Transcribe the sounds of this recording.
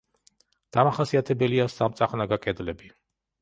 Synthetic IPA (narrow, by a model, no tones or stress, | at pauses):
d̪̥amaχasiat̪ʰɛbɛliasamt̪sʼaχnaɡakʼɛd̪lɛbi